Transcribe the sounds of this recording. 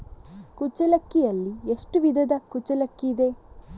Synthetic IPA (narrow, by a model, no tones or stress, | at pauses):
kut͡ʃɐlɐkːijɐlːieʂʈuʋid̪ʱɐd̪ɐkut͡ʃɐlɐkːiːd̪e